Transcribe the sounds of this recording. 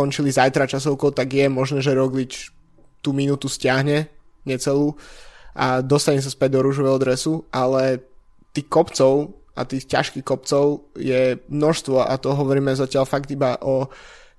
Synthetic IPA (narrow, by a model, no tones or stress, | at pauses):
kɔɲt͡ʃilizajt̪ɾat͡ʃas̬ɔʊkɔʊt̪aɡjɛmɔʒnɛːʒɛɾɔɡlit͡ʃ | t̪uːminuːt̪uscɪaɦɲɛ | ɲɛt͡sɛluːʔad̪ɔst̪aɲɛs̬aspɛɟ̚d̪ɔɾuːʃɔʋɛːɦɔd̪ɾɛsuʔalɛ | t̪iːxkɔpt͡sɔʊʔa̰t̪iːxca̰ʃkixkɔp̚t͡sɔʊjɛmnɔʃst̪ʋɔʔa̰t̪ɔɦɔʋɔɾiːmɛzacɪalfaɡd̪ibaʔɔ